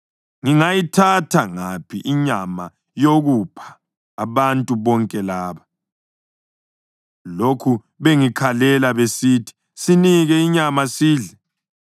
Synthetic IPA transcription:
ŋiŋajitʰatʰaŋapʰiʔiɲama | joɣupʰḁː | βantʼuβɔŋkʼɛlaːβa | lokʰu | βeŋikʰalɛlaβesitʰi̥ | siniɣɛiɲamasiːɮɛ

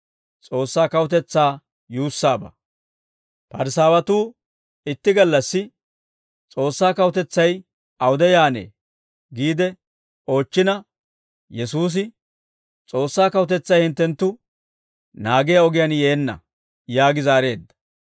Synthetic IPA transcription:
t͡sʼo̞ːsːaːkɐwʊt̪̬ɛt͡sːaː | juːsːaːbɐ̰ | pɐɾsaːwɐt̪uː | ɪt̪ːɪɡɐlːɐsːɪ | t͡sʼo̞ːsːaːkɐwʊt̪ɛt͡sːɐj | ɐwʊd̪ɛjaːnḛː | ɡiːd̪ɛ | o̞ːt͡ʃːɪnɐ | jɛs̬uːs̬ɪ | t͡sʼo̞ːsːaːkɐwʊt̪ɛt͡sːɐjhɪnt̪ːɛnt̪ːʊ | naːɡɪjɐɔɡɪjɐnjeːnːɐ̰ | jaːɡɪzaːɾe̞ːd̪ːɐ̥

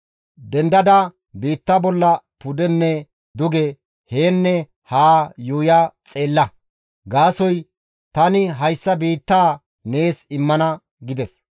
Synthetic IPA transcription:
d̪ɛnd̪ɐd̪ɐ | biːt̪ːaːbɔlːɐpʊd̪ɛnːɛ | d̪ʊɡɛ | heːnːɛ | haːjuːjat͡sʼe̞ːlːɐ | ɡaːsɔj | t̪ɐnɪɦɐjsːɐbiːt̪ːaː | ne̞ːsɪmːɐnɐ | ɡɪd̪ɛs

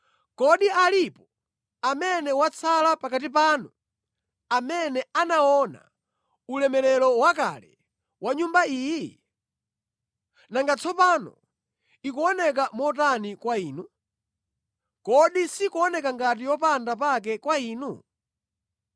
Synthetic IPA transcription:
kɔɗialipɔ | amɛnɛwat͡sʰalapakat̬ip̬anu | amɛnɛanaɔna̰ | ulɛmɛlɛlɔwaka̰lɛ̰ | waɲumbaiːji | naŋɡat͡sɔpanɔ̰ | ikuɔnɛk̬amɔt̬anikwaiːnu | kɔɗisikuɔnɛk̬aŋɡat̬ijɔpandapak̬ɛkwaiːnu

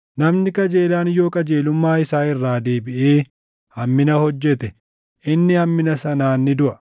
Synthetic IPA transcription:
nɐmnɪkɐd͡ʒeːlaːnɪjo̞ːkʼɐd͡ʒeːlʊmːaːɪsaːɪrːaːd̪e̞ːbɪʔeː | hɐmːɪnɐhɔd͡ʒːɛt̪ɛ | ʔɪnːɪhɐmːɪnɐsɐnaːnːɪd̪ʊʔɐ̥

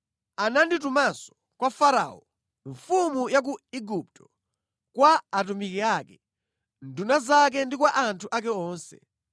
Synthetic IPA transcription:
ananditumasɔ̥ | kwafaɾa̰ɔ | ɱfumujak̬uiɡup̚tɔ̥ | kwaːtumikiakɛ | ndunazak̬ɛndikwaʔantʰuʔakɛɔːnsɛ̰

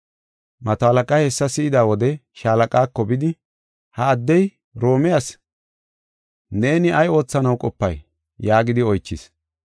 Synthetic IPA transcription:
mɐt̪oɐlɐkʼɐhɛsːɐsɪɪd̪aːwɔd̪ɛʃaːlɐkʼaːkːɔbɪd̪ɪ | hɐːd̪ːɛj | ɾo̞ːmɪjas | ne̞ːnɪɐjo̞ːt͡sːɐnɐwkʼɔpːɐ̰j | jaːɡɪd̪ɪɔjt͡ʃːɪs

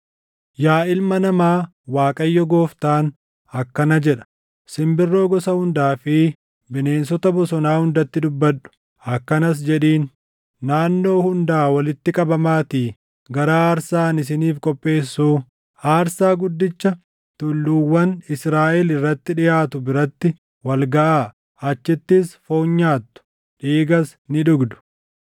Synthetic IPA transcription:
jaːʔɪlmɐnɐmaː | waːkʼɐjːɔɡoːft̪aːn | ɐkːɐnɐd͡ʒɛᶑɐ̥ | sɪmbɪrːo̞ːɡɔsɐhʊnd̪aːfɪ | bɪne̞ːnsɔt̪ɐbɔsɔnaːhʊnd̪ɐt̪ːɪd̪ʊbːɐᶑʊ̥ | ɐkːɐnɐs̬d͡ʒɛᶑiːnː | aːnːo̞ːhʊnd̪aːwɐlɪt̪ːɪkʼɐbɐmaːt̪iː | ɡɐɾaːaːɾsaːnɪs̬ɪniːfkʼɔpʼːe̞ːsːuː | aːɾsaːɡʊd̪ːɪt͡ʃːɐ | t̪ʊlːuːwːɐnɪsɾaːʔɛlɪrːɐt̪ːɪᶑɪjaːt̪ʊbɪɾɐt̪ːɪ | wɐlɡɐʔa | ɐt͡ʃːɪt̪ːɪsfo̞ːɲːaːt̪ːʊ̥ | ᶑiːɡɐs | nɪᶑʊɡd̪ʊ̥

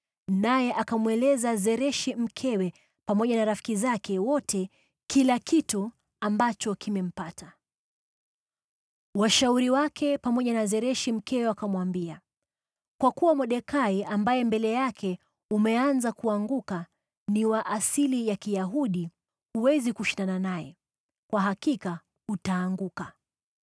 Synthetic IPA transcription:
najɛʔakamwɛlɛzazɛɾɛʃim̩kʰɛwɛ | pamɔʄanaɾafi̥kizakɛwɔtʰɛ | kilakitu | ambat͡ʃɔkimɛm̩pata | waʃauɾiwakʰɛpamɔʄanazɛɾɛʃim̩kʰɛwɛakamwambia | kwakuwamɔɗɛkaiambajɛmbɛlɛjakʰɛ | umɛanzakuaŋɡuka | niwaʔasilijakijaɦuɗi | huwɛzikuʃindananajɛ̰ | kwaɦakika | utaːŋɡuka

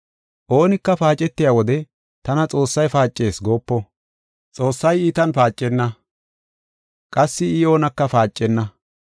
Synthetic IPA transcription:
ʔo̞ːnɪkːɐfaːt͡ʃʼːɛt̪ːɪjaːwɔd̪ɛ | t̪ɐnɐt͡sʼo̞ːsːɐjfaːt͡ʃʼːe̞ːsɡo̞ːpːɔ | t͡sʼo̞ːsːɐjiːt̪ɐnfaːt͡ʃʼːɛnːɐ | kʼɐsːɪɪjo̞ːnɐkːɐfaːt͡ʃʼːɛnːɐ

